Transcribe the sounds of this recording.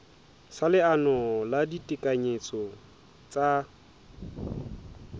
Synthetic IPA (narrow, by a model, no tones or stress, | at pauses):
salɪanɔladitʼɪkʼaɲet͡sʼɔ | t͡sʼa